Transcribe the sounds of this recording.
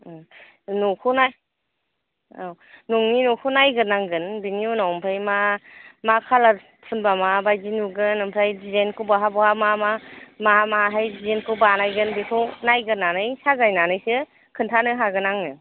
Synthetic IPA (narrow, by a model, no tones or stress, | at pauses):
nukʰunaj | aw | nuŋninukʰunajɡɯnaŋɡɯnbiniunawɔmpʰɯjmamakʰalaɾ | pʰɯnbamabajzinuɡɯnːɯmpʰɾajdizankʰubaɦabɔhamamamamaɦajdizenkʰɯwbanajɡɯnbikʰɯwnajɡɯnanɯjsazajnanɯjsɯ | kʰɯntʰanɯɦaɡɯnaŋnɯ